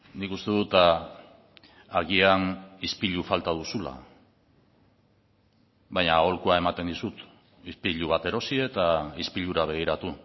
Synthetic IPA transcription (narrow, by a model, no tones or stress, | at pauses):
nikust̪e̞ðut̪a | aɣianispiʎufalt̪að̞usula̰ | βaɲao̞lkuae̞mat̪e̞nd̪isut̪ | ispiʎuβat̪e̞ɾo̞sie̞t̪aispiʎuɾaβ̞e̞ɣ̞iɾat̪u